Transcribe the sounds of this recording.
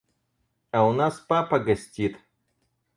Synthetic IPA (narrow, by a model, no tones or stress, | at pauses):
ɐʊnaspapɐɡɐsʲtʲit̪